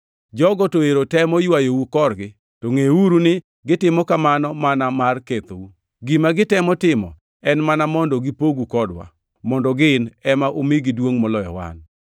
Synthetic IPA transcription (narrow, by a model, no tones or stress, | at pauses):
d͡ʒɔɡɔtoeɾotɛmɔjwajowukɔrɡɪ | toŋeuɾunɪ | ɡɪtɪmɔkamanɔmanamarket̪owu | ɡimaɡɪtɛmɔtɪmɔ̰ | ɛnmanamɔndɔɡɪpoɡukɔdwa̰ | mɔndɔɡɪnɛmaʔomɪɡɪdwoŋmɔlɔjɔ̰wa̰n